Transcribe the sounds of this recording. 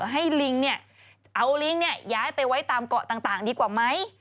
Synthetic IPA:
ɦa˥˩jli˧ŋni˥˩ɐ | ʔa˧wli˧˥ŋni˥˩ɐjaː˦˥jpa˧jwa˦˥jt̪aː˧mkɔ˨˩t̪aː˨˩ŋt̪aː˨˩ŋdiː˧kwaː˨˩ma˦˥j

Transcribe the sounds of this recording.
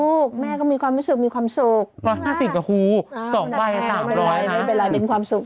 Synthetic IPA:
uː˥˩k̚mɛː˥˩kɔː˥˩miː˧kʰwaː˧mɾu˦˥sɯ˨˩k̚miː˧kʰwaː˧msu˨˩k̚ɾɔː˧˥jhaː˥˩si˨˩p̚ka˧˩kʰuː˧˩˧sɔː˨˩˦ŋ˧baː˧˩jkt̪aː˧˨˩ɾɔː˦jja˧˩jpa˧jlaː˨˦jpe˧nkʰwaː˧msu˨˩k̚

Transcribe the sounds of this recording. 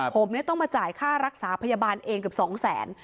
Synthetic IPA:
pʰo˩˦mni˥˩ɐt̪ɔ˥˩ŋmaː˧t͡ɕaː˨˩jkʰaː˥˩ɾa˦˥k̚saː˩˦pʰa˧jaː˧baː˧nʔeː˧ŋk̬ɯ˨˩psɔː˩˦ŋsɛː˩˦n

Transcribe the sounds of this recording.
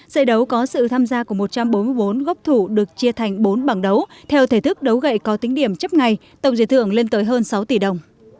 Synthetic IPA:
zə̰˧˨jɗə˨˦wkɔ˨˦sɨ̰˧˨t̪ʰaː˧mzaː˧ku˧˩əmo˨˩t̚t͡ɕa˧mɓo˨˦nmɨ˧əjo˨˦nɣə˦˥wp̚t̪ʰu˧˩ɗɨ˨˩ək̚t͡ɕi˧ət̪ʰa˨˩jŋ̟ɓo˨˦nɓaː˧˩ŋɗə˨˦wt̪ʰɛ˧wt̪ʰe˧˩t̪ʰɨ˦˥k̚ɗə˨˦wɣə̰˧˨jkɔ˨˦t̪ï˨˦ŋ̟ɗi˧˩əmt͡ɕə˦˥p̚ŋa˨˩jt̪ə˧˩wŋ͡mzḭ˧˨˩t̪ʰɨ˧˨əŋle˧nt̪əː˨˦jɦəː˧nsa˨˦wt̪i˧˩ɗə˨˩wŋ͡m

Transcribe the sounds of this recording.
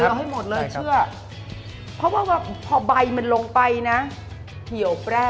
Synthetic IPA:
ɯ˧˦˧ɦa˥˩jmo˨˩t̪̚lɤː˧t͡ɕʰɯ˥˩ɐ | pʰɔ˦˥waː˥˩waː˥˩pʰɔː˧ba˧jma˧nlo˧ŋpa˧jna˦˥ | hi˨˩˦əwpɾɛː˥˩

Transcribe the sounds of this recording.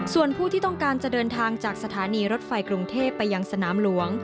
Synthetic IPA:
su˨˩ənpʰuː˥˩t̪ʰiː˥˩t̪ɔ˥˩ŋkaː˧nt͡ɕa˨˩dɤː˧nt̪ʰaː˧ŋt͡ɕaː˨˩k̚sa˧t̪ʰaː˩˦niː˧ɾo˦˥t̪̚fa˧jkɾu˧ŋt̪ʰeː˥˩pːa˧jːa˧ŋsa˧naː˩˦mlu˩˦əŋ

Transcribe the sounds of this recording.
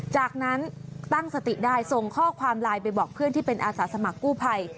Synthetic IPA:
t͡ɕaː˨˩k̚na˦˥nt̪a˥˩ŋsa˧t̪i˨˩daː˥˩jso˨˩ŋkʰɔː˥˩kʰwaː˧mlaː˧jpa˧jbɔː˨˩k̚pʰɯ˥˩ənt̪ʰiː˥˩pe˧nʔaː˧saː˩˦sa˧ma˨˩kːuː˥˩pʰa˧j

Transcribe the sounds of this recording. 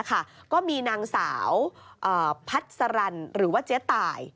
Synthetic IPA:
kʰa˥˩kɔː˥˩miː˧naː˧ŋsaː˩˦wʔɤː˨˩pʰa˦˥t̪̚sa˧ɾa˧nɾɯː˩˦waː˥˩t͡ɕe˦˥t̪ːaː˧j

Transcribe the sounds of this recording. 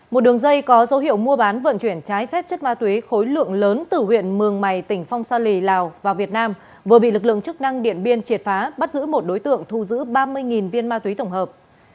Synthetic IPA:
mo˨˩t̚ɗɨ˨˩əŋzə˧jkɔ˨˦zə˨˦whḭ˧əwmu˧əɓaː˨˦nvə̰˧˨nt͡ɕwi˧˩ənt͡ɕaː˨˦jfɛ˦˥p̚t͡ɕə˦˥t̚maː˧t̪wi˨˦xo˨˦jlɨ̰˧˨əŋləː˨˦nt̪ɨ˧˩hwḭ˧˨ənmɨ˨˩əŋma˨˩jt̪ï˧˩ŋ̟fa˧wŋ͡msaː˧li˨˩laː˨˩wvaː˨˩wvi˨˩ət̚naː˧m | vɨ˨˩ɓḭ˧˨lɨ˨˩k̬̚lɨ̰˧˨əŋt͡ɕɨ˦˥k̚na˧ŋɗḭ˧˨ənɓi˧ənt͡ɕi˨˩ət̚faː˨˦ɓa˦˥t̚zɨ̰˧˥mo˨˩t̚ɗo˨˦jt̪ɨ̰˧˨əŋt̪ʰu˧˩zɨ̰˧˥ɓaː˧mɨ˧əjŋi˨˩nvi˧ənmaː˧t̪wi˨˦t̪ə˧˩wŋ͡mɦəː˨˩p̚

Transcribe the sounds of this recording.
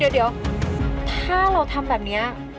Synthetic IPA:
i˨˩˦wdi˩˦wt̪ʰaː˥˩ɾa˧wt̪ʰa˧mbɛː˨˩p̚ni˦˥ɐ

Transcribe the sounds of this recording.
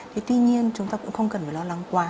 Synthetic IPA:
t̪ʰe˨˦t̪wi˧ɲi˧ənt͡ɕʊ˨˦ŋ͡mt̪aː˧kʊ̰˧˥ŋ͡mxə˧wŋ͡mkə˨˩nfaː˨˩lɔ˧la˨˧˦ŋkwaː˨˧

